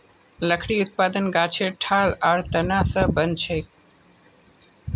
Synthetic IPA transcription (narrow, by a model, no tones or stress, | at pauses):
ləkʰɽiːʊt̪̚paːd̪ənɡaːt͡ʃʰeʈʰaːlaːɽt̪ənaːsəbənt͡ʃʰeːk